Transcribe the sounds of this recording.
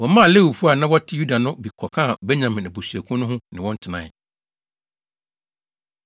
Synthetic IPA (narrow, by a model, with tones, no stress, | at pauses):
wɔ˨˦mã˦a˨le˦˨wu˨fu˦a˨nã˦wɔ˦tʰɪ˦ju˦da˨nʊ̃˦bi˨kʰɔ˨kʰã˦˨bɛ˦ɲã˨mɪ̃˨nɪ̃˨bu˨sɥæ˨kʰʊ̃˦nʊ̃˦ɦʊ̃˦nɪ̃˨wɔ̃˦n̩˦tʰɪ˨nã̰˨